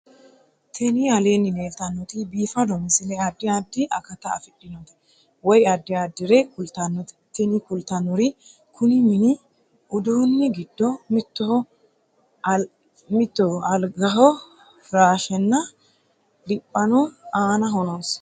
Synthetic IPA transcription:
t̪ʰɛnɪɐleːnːɪneːlt̪ɐnːɔt̪ɪbiːfɐd̪ɔmɪsɪlɛɐd̪ːɪad̪ːɪʔɐkɐt̪ɐɐ̰fɪɗːɪnɔt̪ɛ̥ | wɔjɐd̪ːɪad̪ːɪɾɛkʊlt̪ɐnːɔt̪ɛ̥t̪ɛnɪkʊlt̪ɐnːɔɾɪ | kʰʊnɪmɪnɪ | ʔʊd̪uːnːɪɡɪd̪ːɔmɪt̪ːɔhɔ | mɪt̪ːɔɐlɡɐɦɔ | ɾaːʃɛnːɐ | dɪpʼːɐnɔaːnɐɦɔnɐs

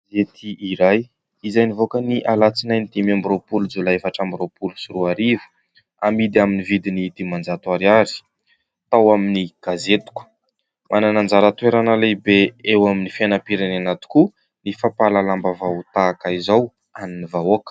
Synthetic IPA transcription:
zet̪ʰiːɾaj | izajnivokəniʔalat͡sinajnid̪imambiropulud͡zulaefaʈ͡ʂambiropulusiruaɾivə̥ | amid̪aminivid̪inid̪̥imand͡zat̪waɾiaɾi̥ | t̪awaminiɡ̥azet̪u̥kə̥ | mʔananand͡zaɾat̪ueɾanəlebeewaminifanapiɾananat̪u̥ku | nifapalalambavawt̪aːkaizaw | aninivawokə̥

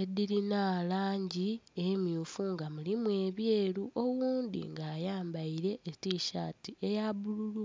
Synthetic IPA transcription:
ediɾinaːlaːɲɟi | emjuːfuŋɡamulimwe̞ːβje̞ːluʔo̞wuːnd̪ḭŋɡaːjaːmbaiɾe̞ʔːtiʃa̰ːtie̞jaβululu

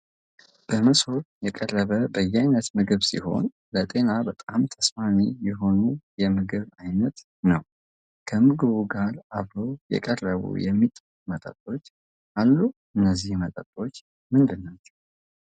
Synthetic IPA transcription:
b̥əməso̞ɾjɛkʼərːəβəbəjːajnət̪mɨɡɨβsḭho̞̰n | lət̪ʼe̞nabət̪ʼamt̪ʰəsfanijɛɦo̞nujɛmɨɡɨβajnət̪ | nəw | kʰəmɨɡɨβuɡaɾʔaβɾo̞jɛ̰kʼərːəβṵjɛmːit̪ʼ | mət̪ʼə̰t̪ʼo̞t͡ʃː | ʔalːuʔɨnːəzːihmət̪ʼə̰t̪ʼo̞t͡ʃː | mɨnd̪ɨnːat͡ʃːɛ̥w

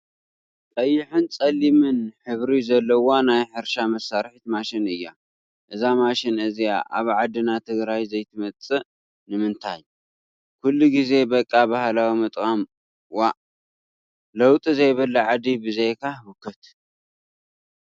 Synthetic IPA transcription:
t̪ʼɐjːɪħɨnt͡sʼɐlːimɨnħɨβɾizɐlːɐwonajħɨɾʃamɐsːaɾħit̪maʃɪnɨjːa | ʔɨzamaʃɪnʔɨzija̰ʔa̰βʕad̪ɨnat̪ʰɨɡɾajzɐjt̪ʰɨmɐt͡sʼɨ | nɨmɨnt̪ʰaj | kʰulːuɡize̞bɐkʼːabahlawimɨt̪ʼkʼam | waʔ | lɐwt̪ʼizɐjβɐlːɐʕad̪ibɨzejkʰawʊkʰɐt̪

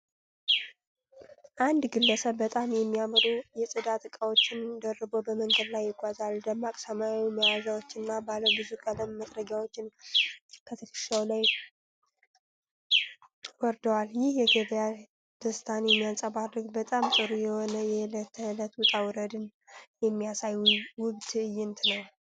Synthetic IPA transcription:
ʔand̪ɡɨlːəsəbbət̪ʼamjɛmːijamɾujɛsʼɨd̪at̪ʼɨkʼəwo̞t͡ʃːɪnd̪ərːəbo̞bəməŋɡəd̪lajːɪɡʷazald̪əmakʼsəmawiməwazawot͡ʃːɪɨnːabaləbɨzukʼələmːəd̪ɾəɡjawo̞t͡ʃːɪn | kʰət̪ʰəkʰɨ̥ʃawlaj | wɔɾd̪əwaljɪhjɛɡəd̪ja | d̪̥əsɨt̪ʰanjɛmːijansʼəβarːɨɡbət̪ʼamsʼɨɾujɛhonəjɛlət̪ʰːələt̪wʊt̪ʼawɾəd̪ɨn | jɛmːijasajuwʊβd̪ɨɨjːɪnt̪nəw

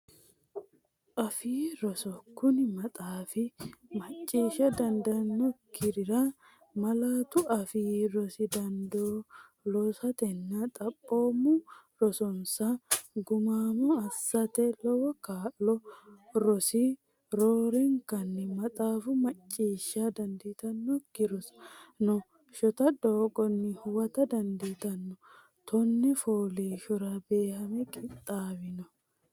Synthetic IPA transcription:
ʔɐfiːɾɔsɔkːʊnɪmɐt̪ʼaːfɪmɐt͡ʃʼːiːʃɐd̪ɐnd̪ɐnːɔkɪɾɪɾa | mɐlaːt̪ʊɐfiːɾɔsɪd̪ɐnd̪oː | lɔsɐt̪ɛnːɐt̪ʼɐpʼːoːmuɾɔsɔnsɐɡʊmaːmɔɐsːɐt̪ɛlɔwɔkaːlɔɾɔsi | ɾoːɾɛŋkɐnːɪmɐt̪ʼaːfʊmɐt͡ʃʼːiːʃːaːd̪ɐnd̪iːt̪ɐnːɔɡɪɾɔsnɔ | ʃɔt̪ɐd̪oːɡɔnːɪhʊwɐt̪ɐd̪ɐnd̪iːt̪ɐnːɔ | t̪ʰɔnːɛfoːleːʃɔɾɐbe̞ːhɐmɛkʼɪt̪ʼːaːbɪnɔ

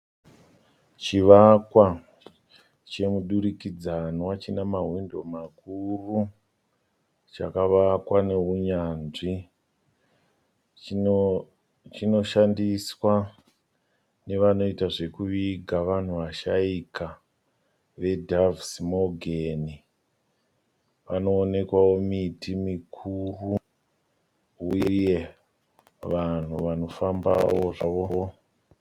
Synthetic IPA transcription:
t͡ʃiʋakwa | t͡ʃe̞muɗuɾikid͡zanwat͡ʃinamaɦwindo̞makuru | t͡ʃa̰kaʋakwane̞ɦuɲaːnʐi | t͡ʃino̞ʃandiswa | ne̞ʋano̞itaʐe̞kuʋiɡʱaʋan̤uʋaʃaikʰa | ʋe̞dʱavsimo̞ɡʱeni | ʋano̞ːne̞kwawo̞mitʰimikʰuru | ujje̞ | ʋan̤uʋano̞famba̰woʐaʋo̞o̞

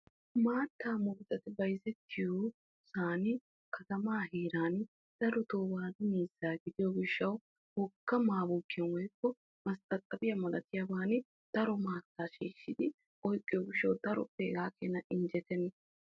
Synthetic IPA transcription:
maːt̪ːaːmʊɡt͡sʼɐt̪ɪbɐjzɛt̪ʰːɪjoː | saːnɪ | kʰɐt̪ɐmaːɦiːɾaːn | d̪̥ɐɾɔt̪oːwaːd̪ɪmiːzːaːɡɪd̪ɪjoːɡɪʃːɐw | hɔkːɐmaːbʊːkːɪjɛnwɔjkːɔ | mɐst̪ʼɐt̪ʼːɐbɪjɐmɐlɐt̪ɪjabaːnɪ | d̪̥ɐɾɔmaːt̪ːaːʃiːʃːɪd̪ɪ | ʔɔjkʼːɪjɔɡɪʃːɐwd̪ɐɾɔ̰peːɡaːkeːnɐʔɪnd͡ʒɛt̪ɛnː

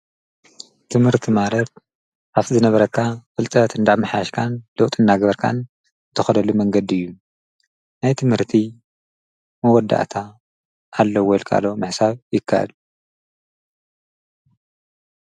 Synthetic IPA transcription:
t̪ʰɨmhɨɾt̪ʰimalɐt̪̚ | ʔaβtʰizɨnɐβɐɾɐkʰːafɨlt̪ʼɐt̪ʰɨnd̪aʕmɨħajaʃkʰanlɐwt̪ʼɨnːaɡɐβɐɾkʰa̰n | t̪ʰɐxɐlɐlumɐŋɡɐd̪iɨjːu | najt̪ʰɨmhɨɾt̪ʰi | mɐwɔd̪ːa̰ʔt̪ʰa | ʔːlːɐwolkʰa̰lo̞mɨħsaβjɪkʰːa̰ʔɨ̰lu

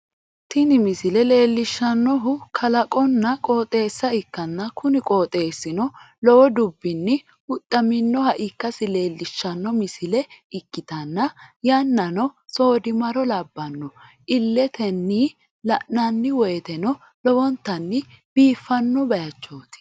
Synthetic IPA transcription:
t̪ɪnɪmɪsɪlɛle̞ːlːɪʃːɐnːɔɦʊkʰɐlɐkʼɔnːɐkʼoːt̪ʼe̞ːsːɐɪkːɐnːɐkʊnɪkʼoːt̪ʼe̞ːsːɪnɔ | lɔwɔd̪ʊbːɪnːɪ | hʊt̪ʼːɐmɪnːɔhɐʔɪkːɐsɪle̞ːlːɪʃːɐnːɔmɪsɪlɛɪkːɪt̪ɐnːɐjɐnːɐnɔso̞ːd̪ɪmɐɾɔlɐbːɐnːɔ | ʔɪlːɛt̪ʰɛnːiː | lɐʔnɐnːɪwɔjt̪ɛnɔ | lɔwɔnt̪ːɐnːɪ | b̥iːfːɐnːɔbɐjɐt͡ʃːo̞ːt̪ɪ̥

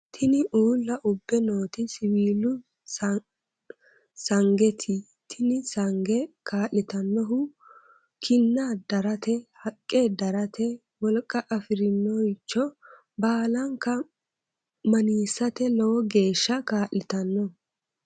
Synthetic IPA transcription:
t̪ʰɪnɪʔuːlːɐʔʊbːɛnoːt̪ɪsɪwiːlʊ | sɐŋɡɛt̪ʰɪ | t̪ʰɪnɪsɐŋɡɛkaːʔɪt̪ɐnːɔɦʊ | kʰɪnːad̪ɐɾɐt̪ɛhɐkʼːed̪ɐɾɐt̪ɛ | wɔlkʼːɐʔɐfɪɾɪnːɔɪt͡ʃːɔ | baːlɐŋkɐ | mɐniːsːɐt̪ɛlɔwɔɡe̞ːʃːɐkaːʔɪt̪ɐnːɔ

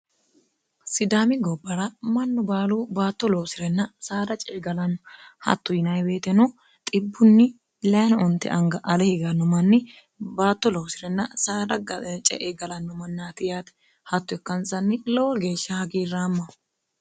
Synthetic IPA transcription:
sɪd̪aːmɪɡɔbːɐɾɐmɐnːɔbaːluːbaːt̪ːɔlɔwsɪɾɛnːɐsaːd̪ɐt͡ʃʼɛɡɐlɐnːɔhɐ̰t̪ːʊjɪnɐjbe̞ːt̪ɛnɔ | t̪ʼɪbːʊnːɪ | lɛɐnɔnt̪ːɛ̰ʔɐŋɡɐʔɐlɛhɪɡɐnːɔmɐnːɪ | baːt̪ːɔlɔwsɪɾɛnːɐsaːd̪ɐt͡ʃʼɛ̰ʔeɡɐlɐnːɔmɐnːaːt̪ɪjaːt̪ɛ̥ | hɐt̪ːʊɛkːɐnsɐnːɪlɔwɔɡe̞ːʃːɐhɐɡiːrːaːmːɐ

